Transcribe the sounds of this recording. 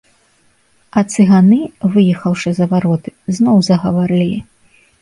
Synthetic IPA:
ɐt̪sɨɣanɨvɨjɛxɐwʂɐzɐvaɾɔt̪ɨ̥znɔwzɐɣɐvaɾɨlʲi

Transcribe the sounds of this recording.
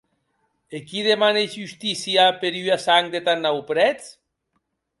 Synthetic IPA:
ekiðemanezust̪isiapeɾyasaŋd̪et̪anːawpɾɛt͡s

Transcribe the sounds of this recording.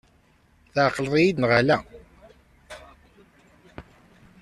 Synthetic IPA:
θaʕqləðˤijid̪nʁəlæ

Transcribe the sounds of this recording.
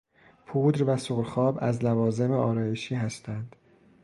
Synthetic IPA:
pʰuːd̪ɾvæsoɣlxɒːbæzlævɒːze̞meɒːɾɒːjeʃiːɦæst̪ʰænd̪̥

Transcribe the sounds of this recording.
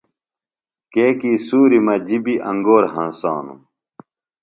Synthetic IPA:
keːkiːsuːɾimɐd͡ʑibiʔɐ̃ŋɡoːɾɦɐ̰̃nsa̰ːnṵ

